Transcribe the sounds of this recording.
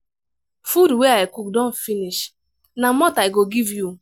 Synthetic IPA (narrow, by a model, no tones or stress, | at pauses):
fudweaɪkuk̚dɔn̩finiʃ | namɔtaɪɡoɡivju